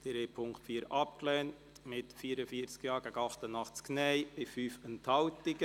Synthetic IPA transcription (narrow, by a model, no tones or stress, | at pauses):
d̥eɾepʰʊŋktfiːəɾɑp̚klɛːnt | mɪtfiːɾəfiəɾt͡skjɑːɾɡæɡɑχtənɑχt͡sknɛɪb̥ɪfyːfəntʰhɑwtɪɡə